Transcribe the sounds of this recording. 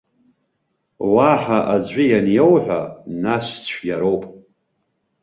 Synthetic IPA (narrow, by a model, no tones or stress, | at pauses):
waħaʔad͡ʑʷijanjowħʷᶣanaʃʷsʃʷᶣjaɾowpʼ